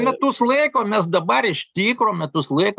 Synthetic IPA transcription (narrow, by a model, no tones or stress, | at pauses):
mʲɛt̪ʊslˠɐɪkoːmʲɛs̬d̪ɐbɐrɪʃt̪ʲiːkroːmʲɛt̪ʊslˠɐɪk